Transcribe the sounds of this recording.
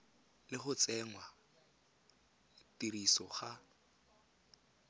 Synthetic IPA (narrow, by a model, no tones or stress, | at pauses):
lɪχʊt͡sɛŋwa | tiɾisɔχa